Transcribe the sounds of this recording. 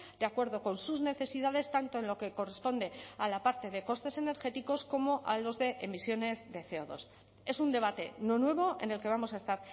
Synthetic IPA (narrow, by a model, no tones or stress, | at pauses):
d̪̥eakwe̞ɾðo̞ko̞nsuzne̞θe̞siðað̞e̞st̪ant̪o̞enlo̞ke̞ko̞re̞spo̞nd̪e̞alapaɾt̪e̞ðe̞ko̞st̪e̞se̞ne̞ɾxe̞t̪iko̞sko̞mo̞ʔalo̞zðe̞ʔemisjo̞ne̞zðe̞θe̞oðo̞̰s | e̞sund̪e̞β̞at̪e̞no̞nwe̞β̞o̞ʔe̞̰ne̞lkeβamosae̞st̪aɾ